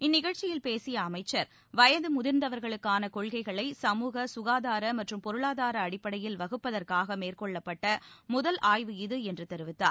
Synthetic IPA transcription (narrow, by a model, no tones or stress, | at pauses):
ɪnːɪɣɐɻt͡ʃːɪjɪlpeːsɪjɐːmɐɪt͡ʃːɐɾ | ʋɐjɐd̪ɯmʊðɪɾnd̪ɐʋɐɾɣɐɭɯkːaːnɐkɔɭɣɐɪɣɐɭɐɪsɐmuːɣɐsʊɣaːðaːɾɐmɐʈrɯmpɔɾɯɭaːðaːɾɐːɽɪpːɐɽɐjɪlʋɐɣɯpːɐðɐrkaːɣɐmeːrkɔɭːɐpːɐʈːɐmʊðɐlʔaːjʋɯɪðɯɛndrɯt̪ɛɾɯʋɪt̪ːa̰ːɾ